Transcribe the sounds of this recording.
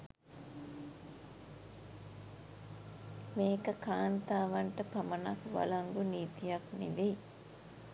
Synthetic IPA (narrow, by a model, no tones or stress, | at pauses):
meːkəkaːnt̪aːʋaɳʈəpɐmənakʋa̰laŋɡuniːt̪ijaknḭʋej